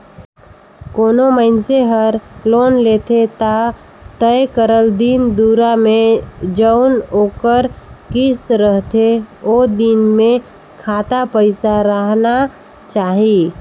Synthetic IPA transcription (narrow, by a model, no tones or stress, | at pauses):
koːnoməɪnseɦəɾloːnleːt̪ʰet̪a | t̪əekəɾəld̪ind̪uːɾamẽd͡ʒəʊnoːkəɾkɪsɾəɦt̪ʰeod̪inmẽ | kʰaːt̪apəɪsaɾəɦna | t͡ʃaːɦi